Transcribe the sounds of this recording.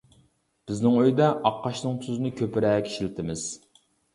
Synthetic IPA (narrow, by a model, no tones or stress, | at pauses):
b̥ɪznɪŋøjd̪ɛʔɑqʰːɑʃnɨŋt̪ʰyzɪnɪkʲʰøpɪɾɛːkʲʰi̥ʃilɪt̪ʰɪmɪz̥